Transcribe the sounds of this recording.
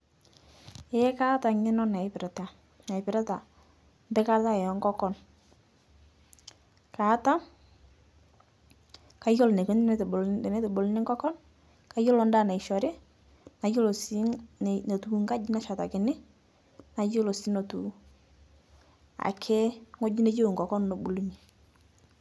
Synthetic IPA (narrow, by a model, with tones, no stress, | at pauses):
ɪ˨˦ka˦ta˨ŋɪ˦nɔ˦na˨ɪ˨˦pɪ˨ɾɛ˨ta˨ | na˨ɪ˨pɪ˨ɾa˦ta˨ | mbɛ˦ka˦ta˦ɛ˨jɔ˨˦ŋɡɔ˦kɔ˦n | kaː˨˦ta˦ | ka˦jo˦lne˨ke˦ndn˦tne˦tɔ˨bo˨lnɪ˦ŋɡɔ˦kɔ˦n | ka˦jo˦lɔ˦nda˦˨na˨i˨ʃɔ˨ɾɪ˦ | na˨jo˦lo˨si˦˨ne˨tu˨˦ŋka˦d͡ʒi˦na˦ʃa˨ta˨kɪ˨nɪ˦ | na˨jo˦lo˨si˦no˨tṵ˨ | a̰˨kʰe˦ŋo˦d͡ʒi˦ne˦d͡ʒo˦˨ŋɡɔ˨kɔ˦nːo˨bu˨lu˦ɲi˨